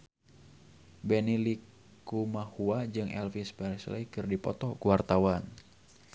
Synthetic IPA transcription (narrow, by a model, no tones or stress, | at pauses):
bɛnilikː | umahuad͡ʒɨŋʔɛ̰lfispɛrslɛ̰kɨrdipɔ̰t̪ɔkuwart̪awan